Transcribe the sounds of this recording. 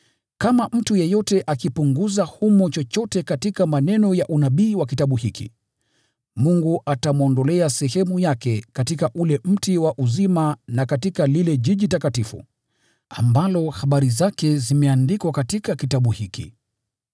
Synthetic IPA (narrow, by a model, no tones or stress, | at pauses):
kamam̩tujɛjɔtɛʔakipuŋɡuzahumɔt͡ʃɔt͡ʃɔtɛkatikamanɛnɔjaʔunaɓiːwak̬itaɓuhikḭ | muŋɡuatamɔndɔlɛasɛhɛmujakɛkatikaʔulɛm̩tiwaʔuzimanakatikalilɛʄiʄitakatifṵ | ambalɔhaɓaɾizakɛzimɛandikwakatikakitaɓuhikḭ